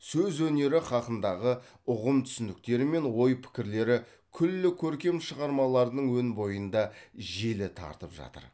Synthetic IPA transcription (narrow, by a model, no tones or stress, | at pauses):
sɵzwɵne̞ɾɪχɑqənd̪ɑʁə | ʊʁəmt̪ʰʏ̥sɪnd̪ɪk̚t̪e̞ɾɪme̞nwo̞jpʰɪ̥kʲɪɾle̞ɾɪ | kʲʰʏlːɪkʲʰɵɾkʲe̞mʃəʁɑɾmɑlˠɑɾd̪əɴwɵnbo̞jənd̪ɑʒe̞lɪt̪ʰɑ̰ɾt̪əpʒɑ̰t̪ə̰ɾ